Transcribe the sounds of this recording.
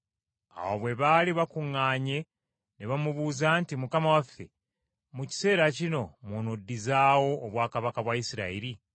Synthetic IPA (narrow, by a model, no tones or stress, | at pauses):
a̰woβwe̞βaliβakuŋːaːɲe̞ | neβamuβuːzaːntimukamawafːe̞̰ | muci̥se̞ːɾacino̞monodːizaːwo̞ːβwaːkaβakaβwaisiɾa̰iɾi